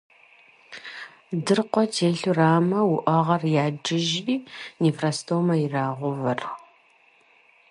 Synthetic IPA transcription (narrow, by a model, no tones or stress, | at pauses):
dɨrqʷɔtʰeːɬuraːmɐwʊʔɐʁɐrjaːd͡ʒɪʒiːnefrastʰomɐjɪraːʁʷʊvɐrx